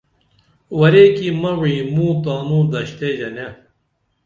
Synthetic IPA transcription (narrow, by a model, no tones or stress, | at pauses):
wɐɾeːkimɐwimũːt̪aːnũːd̪ɐɕt̪eːd͡ʑɐne